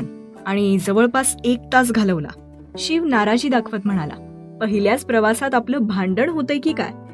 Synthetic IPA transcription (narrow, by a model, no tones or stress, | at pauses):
n | aɽ̃id͡zəʋəɭpasek̚t̪as̬ɡʱaləʋla̰ | ɕiːʋnaɾad͡ʑiːd̪akʰʋət̪m̤əɽ̃ala̰ | pəɦiljat͡spɾəʋasat̪apləːbʱãɳɖəɽɦot̪əjkiːka̰j